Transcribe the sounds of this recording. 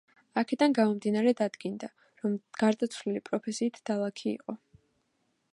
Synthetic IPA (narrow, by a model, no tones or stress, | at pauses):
akʰɛd̪anɡamɔmd̪inaɾɛd̪ad̪ɡind̪a | ɾɔmɡ̥aɾd̪at̪sʰvlilipʼɾɔpʰɛsiːt̪ʰd̪̥alˠakʰḭːqʼɔ